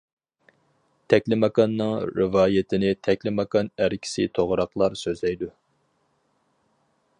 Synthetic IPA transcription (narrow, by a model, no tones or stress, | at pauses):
t̪ʰɛkʲlɪmɑkɑnːɨŋɾɪ̰vɑːjɪt̪ʰɪnɪt̪ʰɛkʲlɪmɑkɑnæɾkʲʰi̥sɪt̪ʰoʁɾɑqlˠɑɾsøzlɛjd̪u